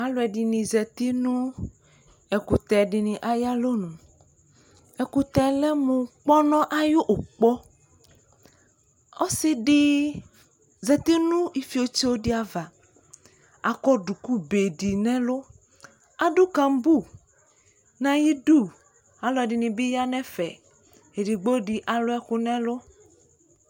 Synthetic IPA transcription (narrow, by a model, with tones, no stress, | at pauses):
a˦lo˨ɛ˨dɪ˨nĩ˨zɛ˨t̪i˦nũ˦ | ɛ˨ku˨t̪ɛ˨ɖɪ˨nĩ˨ʔa˦ja˦lo˦nũ˨ | ɛ˨ku˨t̪ɛ˨lɛ˦mũ˨k͡pɔ˦nɔ̃˦ʔa˦jʊ˦ʔo˨k͡pɔ˦ | o˦sɪ˦ɖɪ˦ | zɛ˨t̪i˦nũ˦i˨fi˨˦o˨t͡ʃi˦wo˦dɪ˦a˨va˨ | a˨kɔ˦ɖu˨ku˦be˨di˨nɛ̃˦lo˦ | a˨du˦kã˨m˦bu˦˨ | nã˨ji˦du˦˨ | a˨lɔ˨dɪ˨nĩ˨bi˦ja˦nɛ̃˦fɛ̰˨ | e˨di˨ɡ͡bo˦ɖi˨ʔa˨lo˦ɛ˦ku˦nɛ̃˦lo˦